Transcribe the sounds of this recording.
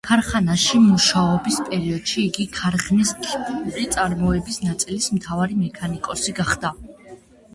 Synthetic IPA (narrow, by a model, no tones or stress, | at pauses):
kʰaɾχanaʃimuʃaɔbispʼɛɾiɔd̪̥ʃiːɡikʰaɾχniskʰipʰʼuuɾit̪sʼaɾmɔɛbisnat̪sʼilismt̪ʰavaɾimɛkʰanikʼɔsiɡaχd̪a